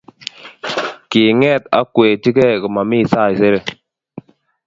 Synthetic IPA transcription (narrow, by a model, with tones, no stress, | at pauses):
ki˨ŋɛ˦˨t̚a̰˦kwe˨ti˦ke˦˨kɨ˨ma˨mi˦˨sa˦˨se˦ɾe˦˨